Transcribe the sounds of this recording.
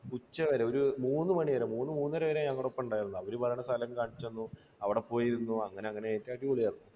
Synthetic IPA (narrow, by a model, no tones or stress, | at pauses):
ut͡ɕːɐʋɐɾeo̞ɾumuːnːɨmɐɳiʋɐɾemuːnːɨmuːnːɐɾeʋɐɾeɲɐŋːɐɽeopːɐmuɳɖaːjiɾunːuɐʋɐɾupɐrɐjɳɐsɐlɐmkaːɳit͡ɕːonːu | ɐʋiɽepo̞ːjiɾunːuɐŋːɐne̞ɐŋːɐneeːtːaːʈ̬ːiʋoɭijaːɾunːu